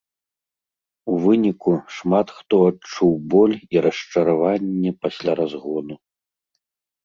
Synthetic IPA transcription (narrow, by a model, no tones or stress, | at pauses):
uvɨnʲikuʂmat̪xt̪ɔat͡ʂuwbɔlʲiɾɐʂt͡ʂɐɾavanʲːɛpasʲlʲaɾazɣɔnu